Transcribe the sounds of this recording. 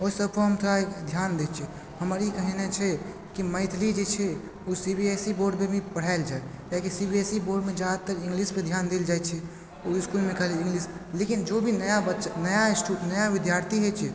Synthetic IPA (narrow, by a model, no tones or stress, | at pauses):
oisəbkoɦəmt̪ʰoɾad̪ʱjand̪et͡ʃʰɛ | həməɾikəɦɛnɛt͡ʃʰɛ | kiməɪt̪ʰlid͡ʒet͡ʃʰɛ | usibiesiboɾɖbebʱipəɽ̤aɪld͡ʒaed͡ʒakisibiesiboɾɖmed͡ʒad̪t̪ːəɾɪ̃ŋɡlisped̪ʱjand̪eld͡ʒajt͡ʃʰɛ | oiskulmẽkəɦleɪ̃ŋɡlislekind͡ʒobʱinəjabətːʃnəjasʈunəjaʋid̪jaɾt̪ʰiɦet͡ʃʰɛ